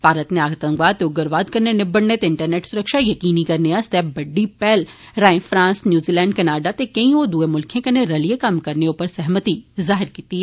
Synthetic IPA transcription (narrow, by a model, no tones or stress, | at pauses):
baːɾət̪neaːɡt̪ɐ̃ŋɡʋaːt̪ːeuɡɐɾʋaːd̪̚kɐɾnenɪbəɽnet̪eɪ̃ɳʈəɾneːʈsʊɾəkʃajɐkiːnikɐɾneast̪eːbɐɖːipɛːl | ɾaːẽfɾãːnsnjuːziːlɛ̃ːɳɖkɐnaːɖat̪ekɐĩoːd̪uːemʊlkʰẽkɐneɾɐlijekɐmkɐɾneopəɾsɛɦmət̪izaːɦɪɾkiːt̪iɛ